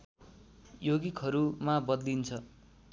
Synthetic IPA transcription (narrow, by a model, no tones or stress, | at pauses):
joɡikɦʌɾumabʌd̪lint͡sʰʌ